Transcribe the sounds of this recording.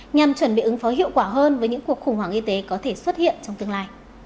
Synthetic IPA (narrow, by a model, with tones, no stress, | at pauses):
ɲa˨˩mt͡ɕwə˧˩nɓḭ˧˨ʔɨ˨˦ŋfɔ˨˦ɦḭ˧˨əwkwaː˧˩ɦəː˧nvəː˨˦jɲɨ̰˧˥ŋku˨˩ək̚xʊ˧˩ŋ͡mwaː˧˩ŋʔi˧t̪e˨˦kɔ˨˦t̪ʰe˧˩swə˦˥t̚hḭ˧˨ənt͡ɕɔ˧ŋ͡mt̪ɨ˧əŋlaː˧j